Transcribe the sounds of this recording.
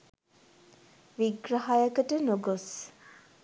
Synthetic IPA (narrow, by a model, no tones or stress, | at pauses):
ʋiɡraɦajəkəʈənoɡos